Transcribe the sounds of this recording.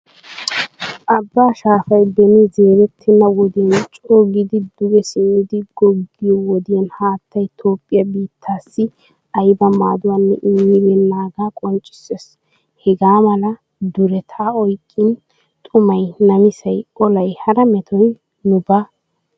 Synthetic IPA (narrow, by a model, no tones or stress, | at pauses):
ʔɐbːaːʃaːfɐjbɛnɪzeːɾɛt̪ʰːɪnɐwɔd̪jɐnt͡ʃʼoːɡɪd̪ɪd̪ʊɡɛsɪmːɪd̪ɪɡ̥ɔɡːɪjɔwɔd̪ɪjɐnhaːt̪ʰːɐjt̪ʰo̞ːpʼːɪjɐbiːt̪ʰːaːsːɪ | ɐjbɐma̰ːd̪ʊwanːɛ̰ʔɪmːɪɾɛnːaːɡaːkʼɔnt͡ʃʼːɪ̥ses | hɛɡaːmɐlɐ | d̪ʊɾɛt̪ʰaːɔjkʼːɪn | t̪ʼʊmɐjnɐmɪsɐjɔlɐjhɐɾɐmɛt̪ʰɔj | nʊba